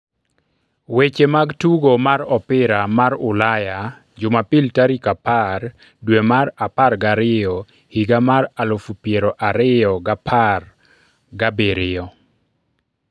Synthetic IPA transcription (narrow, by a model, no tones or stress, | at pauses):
wet͡ʃemaɡtuɡomaɾɔpɪɾamaɾʊlaja | d͡ʒʊmapɪltaɾikapar | dwemaɾapaɾɡaɾɪjɔ | hiɡamaɾalofupjeɾɔʔaɾɪjɔɡapʰar | ɡabeɾɪɔ